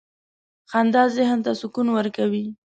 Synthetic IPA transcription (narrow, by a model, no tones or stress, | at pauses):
xand̪ɑzɪɦnt̪asʊkunwəɾkawi